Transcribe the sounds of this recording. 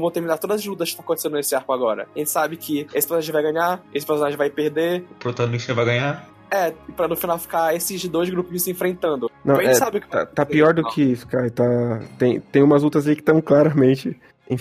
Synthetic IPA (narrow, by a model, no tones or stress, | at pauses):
vot̪ehminaɾt̪od̪ɐzazlut̪̬ɐskɪ̥t̪ãɐkõt̪esẽd̪ʊnesɪaɾkʊaɡɔɾɐ̰aʒẽt͡ʃɪ̥sabɪkʰɪesɪ̥peɾsonaʒẽvajɡɐ̃ɲaesɪ̥peɾsonaʒẽvajpehd̪epoɾt̪ɐ̃t̪ĩsevajɡɐ̃ɲa | ɛɪpɾɐnʊfinawfi̥kaesɪzd̪ojzɡɾupʊ̃isẽfɾẽnt̪ɐ̃nd̪ʊnɐ̃w̃ɐẽɛt͡ʃsabɪʊkɪt̪a̰t̪apiɔɾd̪ʊkʰɪfi̥kait̪at̪ẽj̃t̪ẽj̃ũmɐzlut̪ɐzaikɪ̥t̪ɐ̃w̃klaɾɐmẽnt͡ʃɪ | ẽ